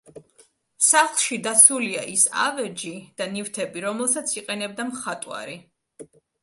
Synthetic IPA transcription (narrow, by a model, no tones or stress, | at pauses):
saχlˠʃid̪at̪sʰulia̰ʔisa̰vɛd͡ʒid̪̥anift̪ʰɛbiɾɔmɛlˠsat̪sʰiqʼɛnɛb̚d̪amχat̪ʼwa̰ɾi